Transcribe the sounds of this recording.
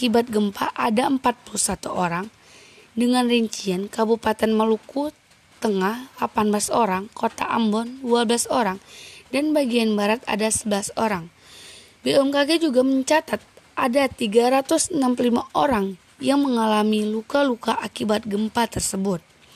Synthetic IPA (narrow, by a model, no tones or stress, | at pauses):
akibat̪̚ɡəmpa̰ʔadaəmpat̪̚pulusat̪uʔoɾaŋ | dəŋanriɲt͡ʃiankabupat̪ɛnməluku | t̪əŋahlapanbəlasoɾaŋkot̪a̰ʔa̰mbɔnduabəlasoɾaŋdanbaɡianbaɾat̪a̰dasəbəlasoɾaŋ | biʔɛmkaɡɛd͡ʒuɡaməɲt͡ʃat̪at̪̚ʔadat̪iɡaɾat̪usənampululimaʔoɾaŋ | jaŋməŋalamilukalukaʔakibat̪̚ɡəmpat̪ərsəbʊt̪̚